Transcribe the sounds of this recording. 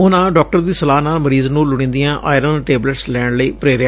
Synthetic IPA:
ʊnãːɖɔːk̚ʈəɾd̪iːsəlaːnaːlməɾiːznũːlʊɽ̃ĩːnd̪ijãːʔʔaːɪɾənʈeːbləʈslɛːɳləiːpɾeːɾɪjaː

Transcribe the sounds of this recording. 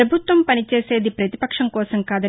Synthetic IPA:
ɐbʱut̪ʋɐmpɐnit͡ʃeːse̞ːd̪ipɾɐt̪ipɐkʂɐmkɔːsɐmkaːd̪ɐ

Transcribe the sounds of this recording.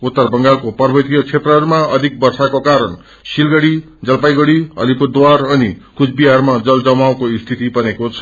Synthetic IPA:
ut̪ːʌrbʌŋɡalkopʌrbʱʌt̪ijʌt͡sʰet̪rʌɦɾumaʌd̪ʱik̚bʌrsakokaɾʌn | silɡʌɽi | d͡zʌlpajɡʌɽiʌ̰lipurd̪warʌnikut͡sʰbiɦarmad͡zʌld͡zʌmaw̃koist̪ʰit̪ibʌnekot͡sʰʌ̥

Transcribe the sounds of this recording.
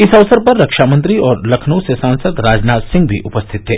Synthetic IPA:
ɪsɐʋsəɾpɐɾːɐkʃaːmə̃nt̪ɾiɔːɾlɐkʰnuːsesãːnsəd̪ɾaːd͡ʒnaːt̪sɪ̃ŋɡbʱḭʔʊpəst̪ʰɪt̪ɦeː

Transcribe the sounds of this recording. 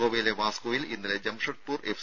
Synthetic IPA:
oːʋejleʋaːskoːʋilinːiled͡ʑɐmʂɐʈ̚puːref

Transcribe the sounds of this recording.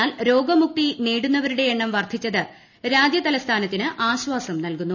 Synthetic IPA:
aːlɾo̞ːɡɐmuk̚t̪iniːɽunːɐʋɐɾuɽe̞eɳːɐmʋɐrd̪ʰʱit͡ɕːɐðɨ | ɾaːd͡ʑjɐt̪ɐlɐst̪ʰaːnɐt̪ːinɨʔaːɕʋaːsɐmnɐlkunːu

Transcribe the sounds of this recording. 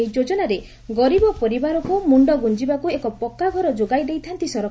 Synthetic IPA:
ɦid͡ʒod͡ʒɔnaɾe | ɡɔɾibɔpɔɾibaɾɔkɔmuɳɖɔɡund͡ʒibakuekɔpɔkːaɡʱɔɾɔd͡ʒoɡajd̪ejt̪ʰant̪isɔɾɔ

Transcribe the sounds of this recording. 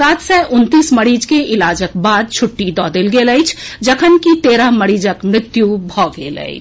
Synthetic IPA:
saːt̪ʰsɛʔʊnt̪iːsməɾiːd͡ʒkeʔɪlaːd͡ʒək̚baːd̪̚t͡ʃʰʊʈːid̪ɔd̪elɡeləjt͡ʃʰd͡ʒəkʰənkit̪eːɾəɦməɾiːd͡ʒəkmɾɪt̪jubʱɔɡḛlə̰ɪ̰t͡ʃʰ

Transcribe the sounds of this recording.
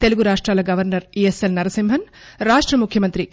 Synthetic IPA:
t̪e̞luɡuɾaːʂʈɾaːlɐɡɐʋɐɾnɐɾieselnɐɾɐsimbʱɐnɾaːʂʈɾɐmukʰjɐmɐnt̪ɾi

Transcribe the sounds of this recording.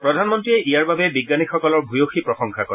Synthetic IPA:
pɹɔdʱanmɔntɹiɛʔijaɹbabɛbiɡːanixɔkɔlɔɹbʱujoxipɹɔxɔŋkʰakɔ

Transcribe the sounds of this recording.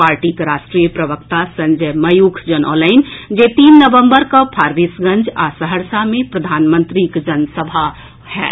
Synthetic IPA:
paɾʈikɾasʈɾijəpɾəbəkt̪asə̃nd͡ʒəməjukʰd͡ʒənɔ̰laɪnd͡ʒet̪inːəbəmbəɾkəpʰaɾʋisɡə̃nd͡ʒasəɦəɾsamẽpɾəd̪ʱanmə̃nt̪ɾikd͡ʒənsəbʱa | hɛ̰

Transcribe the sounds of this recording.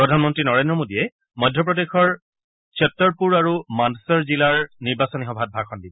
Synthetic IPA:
pɹɔdʱanmɔntɹinɔɹendɹɔmodijɛ | mɔjdʱjɔp̬ɹɔdexɔɹ | sɔtːɔɹpuɹaɹumansɔɹzilaɹniɹbasɔnixɔbʱat̚bʱaxɔndib

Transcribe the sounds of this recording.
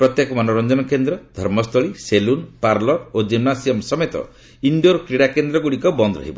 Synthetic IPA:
pɾɔt̪jekɔmanoɾɔnd͡ʒɔnɔkend̪ɾɔd̪ʱɔɾmɔst̪ʰɔɭiselunpaɾlɔod͡ʒimnasiɔmsɔmet̪ɔ̰ | iɳɖoɾkɾiɽakend̪ɾɔɡuɽikɔbɔnd̪ɾɔ̰ɦḭbɔ

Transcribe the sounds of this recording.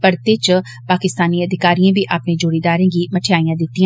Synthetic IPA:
pɐɾt̪et͡ʃ | paːkɪst̪aːniɐd̪ʱɪkaːɾijãbʱiʔaːpned͡ʒoːɽid̪aːɾẽɡimɐʈʰjaːijãd̪ɪt̪ːĩã

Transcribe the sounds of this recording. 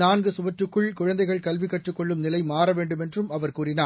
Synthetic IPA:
aːnɡɯsʊʋɐʈːɯkːɯɭkʊɻɐnd̪ɐɪɣɐɭkɐlʋɪkːɐʈrɯkːɔɭːɯmnɪlɐɪmaːɾɐʋeːɳɖɯmɛndrɯmɐʋɐɾkuːrɪnaː

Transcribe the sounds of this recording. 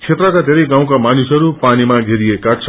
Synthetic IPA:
t͡sʰet̪rʌkad̪ʱeɾʌjɡãw̃kamanusɦʌɾupanimaɡʱeɾiekat͡sʰ

